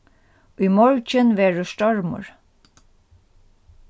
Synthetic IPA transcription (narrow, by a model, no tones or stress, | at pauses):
iːmɔɹt͡ʃənʋeːɹuʃt̪ɔɹmʊ̰ɹ